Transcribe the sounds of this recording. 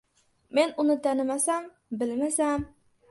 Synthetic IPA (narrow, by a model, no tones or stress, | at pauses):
mænunɤt̪ænɘmæsæm | bɘ̆lmæsæm